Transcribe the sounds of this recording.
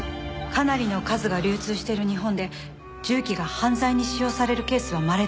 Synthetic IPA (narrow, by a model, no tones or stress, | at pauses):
kanaɾʲino̞kazɨɡaɾʲɨːt͡sɨːɕi̥t̪e̞ɾɯ̟ɲ̟iɦõ̞nd̪e̞ | d͡ʑɨːkʲiɡahãnzaiɲ̟iɕijo̞ːsaɾe̞ɾɯ̟ke̞ːsɨβ̞amaɾe